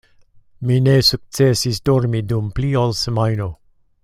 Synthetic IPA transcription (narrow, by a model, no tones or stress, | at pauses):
minesuk̚tt͡sesisdoɾmidumpliolsemajno